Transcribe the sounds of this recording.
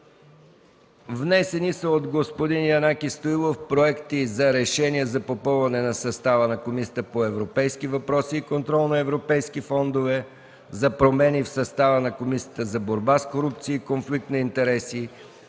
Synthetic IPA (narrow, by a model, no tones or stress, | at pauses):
vnɛsɛnisəod̪ɡospod̪injɐnakʲist̪oilˠofpɾoɛkt̪izɐɾɛʃɛniɛzɐpopɤlˠvɐnɛnɐsɐst̪avənɐkomisʲiə̥t̪əpoɛvɾopɛjskivɐpɾɔsiːkont̪ɾɔlˠnɐɛvɾopɛjskifɔnd̪ovɛ | zɐpɾomɛnifsɐst̪avənɐkomisi̥ə̥t̪əzɐboɾbaskoɾup̚t̪siːkonflik̚t̪nɐint̪ɛɾɛsi